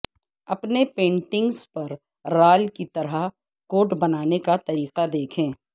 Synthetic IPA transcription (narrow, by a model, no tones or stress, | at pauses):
ɐpnepẽːɳʈɪ̃ŋɡspɐɾː | aːlkit̪ɐɾəɦ | koːʈbɐnaːnekat̪ɐɾiːqad̪eːkʰẽː